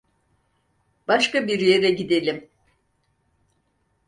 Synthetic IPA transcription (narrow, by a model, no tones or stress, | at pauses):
baʃkabiɾje̞ɾɛɟid̪elʲim